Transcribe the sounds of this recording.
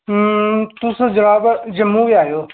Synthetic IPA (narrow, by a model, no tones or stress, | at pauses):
t̪ʊsd͡ʒɐʋaːbd͡ʒɐmubiaːɦijoː